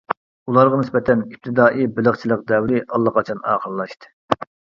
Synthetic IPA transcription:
ulˠɑɾʁɑnɪsbɛt̪ʰɛnip̚t̪ʰɨd̪ɑːʔibɪləχt͡ʃʰilˠəq̚d̪ɛwɾɪʔɑlˠːəqɑt͡ʃʰɑnɑ̰ːqəllːˠɑʃt̪ɨ̥

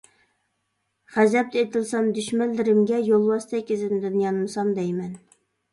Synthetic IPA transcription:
χæzɛp̚t̪ɪet̪ʰɪlˠsɑmd̪yʃmɛlːɪɾɪmɡʲɛjolˠwɑst̪ʰɛkʲːɪzɪnɪd̪ynjɑnɨmsɑmd̪ɛjmɛn

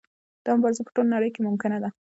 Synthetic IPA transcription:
d̪̥amʊbɑɾzipə̥ʈolnaɽəjkemʊmkɪnad̪a

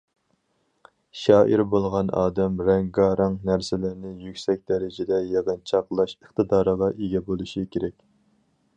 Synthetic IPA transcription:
ʃɑːʔiɾbolˠʁɑnɑ̰ːd̪ɛmɾɛŋɡɑɾʔɨŋnæɾsɪlɪɾnɪjykʲsɛk̚ʲd̪̥ɛɾɪd͡ʒɪd̪ɛjeʁənt͡ʃʰɑqlˠɑʃəχt̪ɨd̪ɑːɾəʁɑʔeɡʲɛbolˠuʃikʲʰeɾɛkʲ

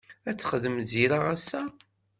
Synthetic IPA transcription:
æt͡sːχəðəmθziɾaʁæsːæ

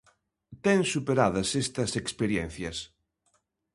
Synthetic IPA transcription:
t̪ɛŋsupeɾaðɐsest̪ɐsekspeɾjɛn̟θjɐs

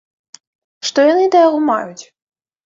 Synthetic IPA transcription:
ʂt̪ɔjanɨd̪ɐjaɣɔma̰jut͡sʲ

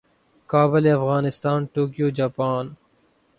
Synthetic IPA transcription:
kaːbɪleɐfɣaːnɪst̪aːnʈoːkijoːd͡ʒaːpaːn

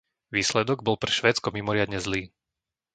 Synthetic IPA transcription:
ʋiːslɛd̪ɔɡ̚bɔlpɾɛʃʋɛːt͡skɔmimɔɾɪad̪ɲɛzliː

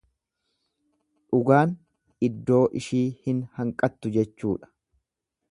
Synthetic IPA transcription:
ᶑʊɡaːn | ɪd̪ːo̞ːʔɪʃiːhɪnhɐŋkʼɐt̪ːʊd͡ʒɛt͡ʃːuːᶑɐ̥

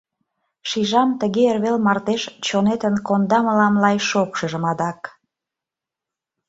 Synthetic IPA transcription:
ʃiʒɑmt̪əɣeerβelmɑrt̪eʃt͡ɕonet̪ənkond̪ɑməlɑmlɑjʃokʃəʒə̆mɑd̪ɑk

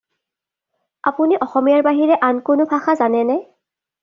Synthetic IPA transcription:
a̰puniʔɔxɔmijaɹbaɦiɹɛʔankʊnʊpʰaxazanɛnɛ

